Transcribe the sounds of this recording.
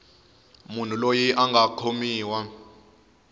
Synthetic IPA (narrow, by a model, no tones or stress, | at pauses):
mun̤ulojiʔaŋɡʱakʰomiːwa